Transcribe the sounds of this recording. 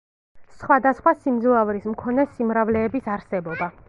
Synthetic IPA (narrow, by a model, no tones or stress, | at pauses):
sχwad̪asχwasimd̪zɔavɾismkʰɔnɛsimɾavlɛːbisaɾsɛbɔba